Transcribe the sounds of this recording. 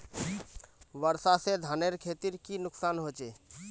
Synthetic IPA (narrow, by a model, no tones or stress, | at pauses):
ʋəɾsased̪ʱaneɾkʰet̪iɾkinʊksaːnɦot͡ʃeː